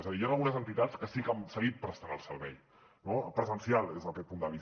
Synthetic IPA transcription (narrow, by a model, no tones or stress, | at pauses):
ezəðijanəlɣunəzənt̪it̪at͡skəsikəmsəɣit̪̚pɾəst̪anəlˠsəɾβɛj | nopɾəzənsialˠezəkɛt̪̚pund̪əβi